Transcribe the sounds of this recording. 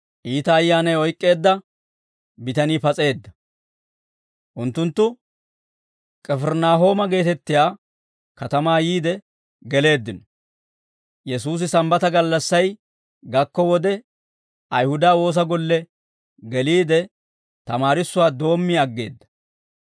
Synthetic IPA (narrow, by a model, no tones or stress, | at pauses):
ʔiːt̪ɐːjːaːnɐjɔjkʼːe̞ːd̪ːɐ | bɪt̪ɐniːpɐt͡sʼe̞ːd̪ːɐ | ʔʊnt̪ːʊnt̪ːʊ | kʼɛfɛɾnaːɦo̞ːmɐɡe̞ːt̪ɛt̪ːɪjaː | kɐt̪ɐmaːjiːd̪ɛ | ɡɛle̞ːd̪ːɪnɔ | jɛsuːs̬ɪsɐmbɐt̪ɐɡɐlːɐsːɐj | ɡɐkːɔwɔd̪ɛ | ʔɐjhʊd̪aːwo̞ːs̬ɐɡɔlːɛ | ɡɛliːd̪ɛ | t̪ɐmaːɾɪsːʊwaːd̪o̞ːmːɪɐɡːe̞ːd̪ːɐ̥